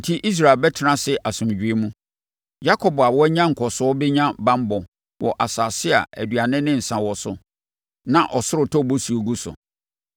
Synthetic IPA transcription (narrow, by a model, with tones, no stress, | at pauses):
n̩˨tʰi˦ʔi˦s̬ɾa˨lbɛ˦tʰɪ˦nã˦sɛ˦ʔa˨sʊ̃˨md͡ʑᶣɥe˦mũ˦ | ja˦kʰɔ˨ba˨wɔ˦ɲã˦ŋ̩˨kʰɔ˨sʊ˨˦ɔ˦bɪ˦ɲã˦bã˦m˦bɔ˨ | wʔɔ̰˨ʔa˨saː˨sɪ˦a̰˨æ̰˨dɥa˨nɪ̃˦nɪ̃˦n̩˨sã˨wɔ˨sʊ˨ | nã˨ʔɔ˨sʊ˦ɾʊ˨tʰɔ˦˨bo˦su˨o˨ɡu˦sʊ̰˨